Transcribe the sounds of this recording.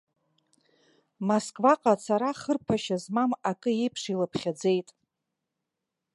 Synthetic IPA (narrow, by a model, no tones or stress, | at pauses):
moskʼvaqʼat͡sʰaɾaχərpʰaʃazmamakʼɨjejpʰʂilapʰχʲad͡ze̞jtʼ